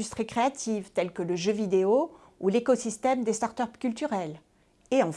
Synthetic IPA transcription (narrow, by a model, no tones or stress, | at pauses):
yst̪χikχeat̪ʰivt̪ɛlkələʒøvid̪eo | ulekɔsist̪ɛmd̪est̪aʁt̪œpkʲylt̪yʁɛl | eɑ̃